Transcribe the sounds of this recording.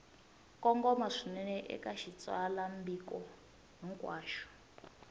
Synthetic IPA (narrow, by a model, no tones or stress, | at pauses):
kɔŋɡɔmaʂinɛnɛʔɛ̰kaʃit͡sʼwalambikɔ | ɦɛŋkʼwaːʃɔ̥